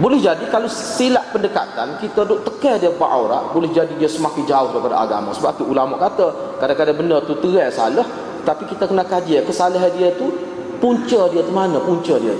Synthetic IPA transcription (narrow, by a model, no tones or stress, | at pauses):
bolɛhd͡ʒadikalosilaʔpəndəka̰t̪ankit̪ədʊʔ̚t̪əkədiəba̰ʔawɾa̰ʔbolɛhd͡ʒadidiəsəmakɪnd͡ʒaʊhɾəpada̰ʔa̰ɡa̰ma̰səbap̚t̪uulamaʔkat̪ə | kadakadabənərt̪ut̪əɣɛsa̰ləh | t̪apikit̪akənakad͡ʒiəkəsaləɦadiət̪u | puɲt͡ʃədiət̪umanəpuɲt͡ʃədiət̪